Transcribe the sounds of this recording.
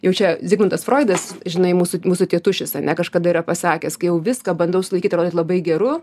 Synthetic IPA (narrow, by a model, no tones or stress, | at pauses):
jɛʊt͡ʃʲɛzʲɪɡmɐnt̪ɐsfroːɪd̪ɐsʒʲɪnɐɪmuːsʊmuːsʊt̪ʲiɛt̪ʊʃʲɪsɐnʲɛkɐʃkɐd̪ɐiːɾɐpɐsɑːkʲɛskɐɪjɛʊʋʲɪskɐːbɐnd̪ɐʊsʊlˠɐɪkiːt̪ʲɾod̪ʲtlˠɐbɐɪɡʲɛɾʊ